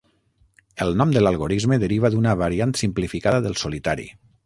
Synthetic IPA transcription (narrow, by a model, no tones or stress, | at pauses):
əlˠnɔmd̪əlalˠɣoɾizməðəɾiβ̞aðunəβaɾiant̪simplifikaðəðəlˠsolit̪aɾḭ